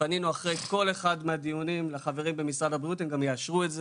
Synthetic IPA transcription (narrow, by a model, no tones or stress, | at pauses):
paninuaχʁejko̞le̞χadmeadiunimlaχave̞ʁimbe̞misʁadabʁijutemɡamjeaʃʁuetze